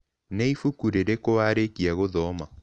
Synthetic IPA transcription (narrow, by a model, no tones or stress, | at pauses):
neifukuɾeɾekowaɾekiaɣoðɔːma